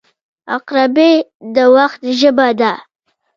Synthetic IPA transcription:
a̰qɾabed̪əwaxt̪̚ʒəbad̪a

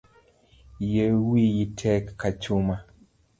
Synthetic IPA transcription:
jewijitʰɛkːat͡ʃuma

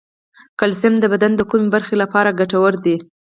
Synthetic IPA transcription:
kalsɪmd̪əbad̪and̪əkumebaɾxelapɑɾaɡaʈawəɾd̪i

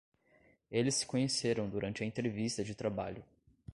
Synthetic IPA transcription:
elɪsːɪ̥kõɲeseɾɐ̃w̃d̪uɾɐ̃nt͡ʃɪɐẽnt̪ɾevist̪ɐd͡ʒɪt̪ɾaba̰ʎʊ

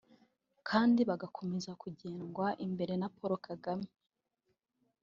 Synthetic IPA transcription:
kʰaːndiβaɡakʰo̞me̞zakuɟe̞ːnɡwaʔimbe̞ɾe̞napo̞ɾokʰaɡame

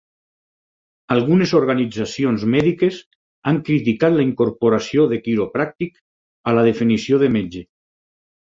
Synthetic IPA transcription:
alˠɣunezoɾɣanid͡zasionzmɛðikez | aŋkɾit̪ikat̪laiŋkoɾpoɾasioðekiɾopɾak̚t̪ik | alað̞efinisioðemed͡ʒe

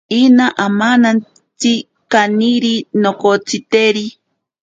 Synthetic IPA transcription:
inaʔamanan | t͡si | kaniɾinokot͡sit̪eɾi

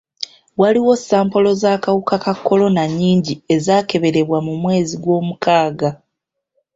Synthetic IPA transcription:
waliwo̞saːmpo̞lo̞zaːkawukakakːo̞lo̞naɲiːɲɟie̞zaːke̞βe̞ɾe̞βwamumwe̞ːziɡwo̞ːmukaːɡa

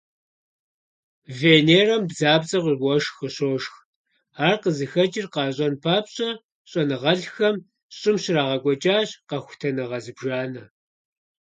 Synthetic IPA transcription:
veːneːrɐmbzaːbt͡sʼɐqʷʼiɡʷɔʂxəɕoːʃx | aːrqəzɨxɐt͡ʃʼɪrqɑːɕʼɐnpʰaːpɕʼɐ | ɕʼɔnɨʁɐɮxɐm | ɕʼɪmɕɪraːʁɐkʷʼɔt͡ʃʼaːɕqɐxʷʊ̥tʰɐnɐʁɐzɨbʒaːnɐ

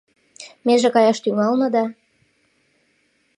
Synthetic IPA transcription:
meʒekɑjɑʃt̪yŋɑlnɤ̆d̪ɑ

